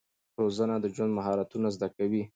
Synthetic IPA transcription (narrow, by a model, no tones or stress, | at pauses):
ɾozənad̪əd͡ʒwand̪maɦɑɾat̪unazd̪akawi